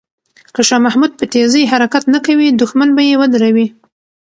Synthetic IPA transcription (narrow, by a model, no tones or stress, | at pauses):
kəʃɑmahmud̪̚pət̪ezəjɦaɾakat̪nakawid̪ʊxmanbajewəd̪aɾawi